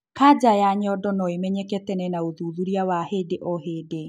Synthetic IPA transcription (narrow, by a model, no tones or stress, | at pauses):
kad͡ʑajaɲɔdɔnɔemɛɲɛkɛtɛnɛnaoðuðuɾiawahedeʔɔhede